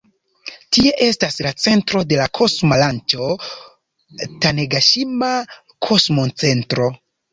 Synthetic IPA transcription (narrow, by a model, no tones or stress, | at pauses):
tie̞ʔe̞staslat͡se̞ntɾo̞de̞lakʰo̞smalant͡ʃo̞ | taneɡaʃima | kʰo̞smo̞nt͡se̞ntɾo